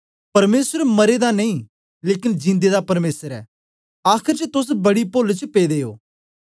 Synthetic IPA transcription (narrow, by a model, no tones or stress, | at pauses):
pɐɾmeːsəɾmɐɾed̪anɐĩ | leːkɪnd͡ʒɪ̃nd̪ed̪apɐɾmeːsəɾɛ̰ː | aːkʰɪɾt͡ʃət̪ʊs̬bɐɽipolt͡ʃəpeːd̪eːo̰ː